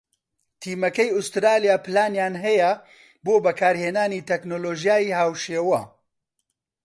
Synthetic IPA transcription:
t̪ʰiːmɐkɐjʊst̪ɾaːlijaːpʰɨlaːnjaːnɦɛjɛ | boːbɐkʰaːɾheːnaːniːt̪ʰɛknoːloːʒijaːjiːɦaːwʃeːwɐ

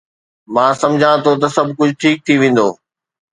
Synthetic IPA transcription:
mãːsɐ̃md͡ʑʱãt̪ʰot̪̬ɐsɐbʱkʊd͡ʑʱʊʈʰiːk̚t̪ʰiʋẽːn̆d̪o̰ː

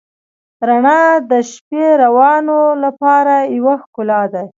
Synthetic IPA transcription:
ɾaɳɑd̪əʃpeɾawɑnolapɑɾajwaxkʊlɑd̪aj

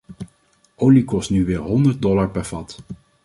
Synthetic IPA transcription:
ʔowlikɔstnyʋɪːɹɦɔndəɹd̚dɔlaɹpɛɹv̥ɑt

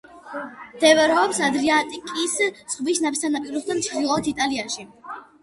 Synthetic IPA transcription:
md̪̥ɛvɛɾɛɔpsad̪ɾiat̪ʼikʼissχvisnapʰst̪ʰanapʼiɾuχd̪amt͡ʃ̪ʰd̪ilˠɔɔt̪ʰit̪ʼaliaʃi

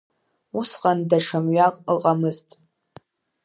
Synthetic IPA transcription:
usqʼandaʂʰamɥakʼlqʼamɨztʼ

